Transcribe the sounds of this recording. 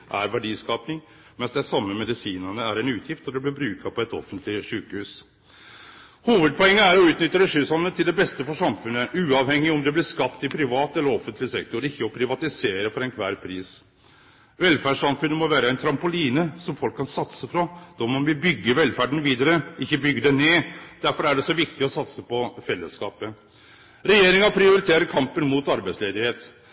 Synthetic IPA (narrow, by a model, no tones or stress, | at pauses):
ʔæɾʋæɖiːskɑːpnɪŋ | mɛnsd̪ɛsɑmːəmɛd̪ɪsiːnənəæɾɛnʉːt̪ʰjɪft̪ɔd̪ɛblɪɾbɾʉːkʰɑpʰɔɛt̪ɔ̰fːənt̪ʰlɪʂʉːkəhʉːs | huːʋəd̪̚pɔɛŋːəæɾɔʉːt̪nʏt̪ːəd̪ɛʂʉsɑnːət̪ʰɪld̪ɛbɛst̪əfɔʂɑmfʉnːəʔʉːɑʋhɛŋːɪɔmd̪ɛblɪskɑpt̪ɪpʰɾɪʋɑːt̪ɛlːəɾɔfːənt̪lɪsɛkt̪ʊɾɪkːəɔpʰɾɪʋɑt̪ɪseːɾəfɔɾɛnkʰʋæːɾpʰɾiːs | ʋɛlfæɖʂɑmfʉnːəmɔʋæːɾəæɪnt̪ʰɾɑmpʊliːnəsɔmfɔlkʰːɑnsɑt̪səfɾɔd̪̥ɔmɔnʋɪbʏɡːəʋɛlfæɖəɳ̩ʋiːd̪əɾəɪçːəbʏɡːəd̪ɛneːd̪̥æɾfɔɾæɖɛsɔʋɪkt̪ɪɔsɑt̪səpɔfɛlːəskɑ̰ːpə | ɾɛjeːɾɪŋɑpʰɾɪʊɾɪt̪ʰeːɾəɾkʰɑmpənmuːt̪ɑɾbæɪtsleːd̪ɪheːt̪